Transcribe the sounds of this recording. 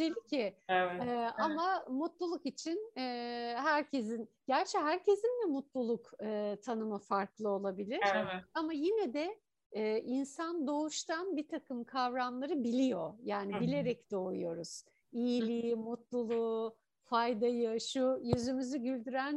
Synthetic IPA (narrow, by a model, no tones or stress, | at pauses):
d͡ʒelʲicʰɪɛamamut̪lˠulˠukit͡ʃʰinɛːɦæɾcʰe̞zin | ɟ̥æɾt͡ʃʰɛɦæɾcʰe̞zind̪ɛmut̪lˠulˠukɯt̪ʰanɯmafaɾklˠɯo̞lˠabilʲiɾ̥amajinɛd̪ɛː | ʔinsand̪o̞uʃt̪ʰanbit̪ʰakʰɯmkʰavɾamlˠaɾɯbilʲijo̞jaːnibilʲe̞ɾɛcd̪̥o̞ːṵjo̞ɾuz̥ | ijilʲimut̪lˠulˠu | fajd̪ajɯʃujyzymyzyɟylʲd̪yɾæn